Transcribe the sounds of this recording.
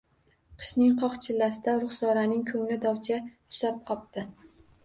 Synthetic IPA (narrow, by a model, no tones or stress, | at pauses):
qʰɨ̥ʃnɪŋqʰɒχt͡ʃʰɪlːasɪd̪aɾʊχsɒɾanɪŋkʰɵŋlɪd̪ɒwt͡ʃʰajʊ̥sap̚qʰɒp̚t̪ɪ